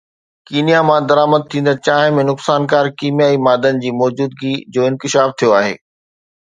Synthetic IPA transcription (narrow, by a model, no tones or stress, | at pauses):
kiːnijamãd̪ɐɾaːməd̪̚t̪ʰĩːnd̪ət͡ɕaːɦɪ̃mẽnʊksaːnkaːɾkiːmjaːimaːd̪ənɪ̆d͡ʑiːmɔːd͡ʑuːd̪̚ɡid͡ʑoːɪ̃nkɪʃaːft̪ʰijoaːɦḛː